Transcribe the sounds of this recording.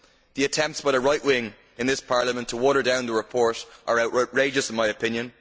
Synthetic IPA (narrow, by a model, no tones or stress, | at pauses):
ðiɨtʰɛ̃mp̚tsb̥əɾəɹaɪʔwɪ̃ŋ | ɪ̃nðɪspʰaɹlˠəmə̃ntʰəwɔɾə˞dãʊ̃nðəɹɪpʰɔɹɾʔə˞aʊʔʊʔɹeɪd͡ʒəsɪ̃nmaɪɨpʰɪ̃njə̃n